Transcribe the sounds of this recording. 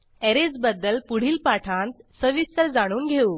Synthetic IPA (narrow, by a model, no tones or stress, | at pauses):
ɛɾed͡zbəd̪ːəlpuɽ̤iːlpaʈʰãnt̪səʋist̪əɾd͡zaɽ̃uːnɡʱeuː